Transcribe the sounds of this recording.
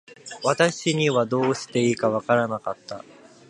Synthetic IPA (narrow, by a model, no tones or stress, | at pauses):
βat̪aɕiɲ̟iβad̪o̞ːɕi̥t̪e̞iːkaβakaɾanakat̪ːa